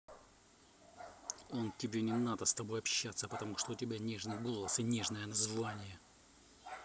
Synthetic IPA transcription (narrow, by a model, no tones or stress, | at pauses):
o̞ntʲɪbʲenʲɪnad̪əst̪ɐbo̞jɐpɕːat̪sːəpət̪ɐmuʂt̪oʊtʲɪbʲanʲe̞ʐnɨjɡo̞lˠəsɨnʲe̞ʐnəjənɐzvanʲɪjə